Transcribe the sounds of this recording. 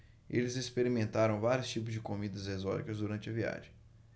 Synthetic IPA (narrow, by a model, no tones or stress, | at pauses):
elɪzespeɾimẽnt̪aɾɐ̃w̃vaɾʲjʊst͡ʃipʊzd͡ʒɪkomid̪ɐzezɔt͡ʃikɐzd̪uɾɐ̃nt͡ʃɪɐvia̰ʒẽ